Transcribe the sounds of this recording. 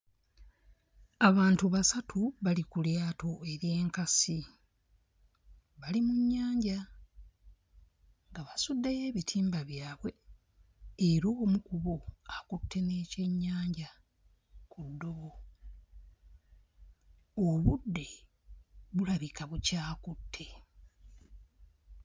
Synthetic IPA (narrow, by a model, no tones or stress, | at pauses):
aβaːntuβasatʰuβalikuljaːto̞e̞ɾje̞ːŋkasi | βalimuɲːaːɲɟa | ŋɡaβasudːeje̞ːβitʰiːmbaβjaːβwe̞ | eɾoːmukuβoakutʰːe̞ne̞ːce̞ɲːaːɲɟa | kudːo̞βo̞ | oβudːe̞ | βulaβikaβucaːkutːe̞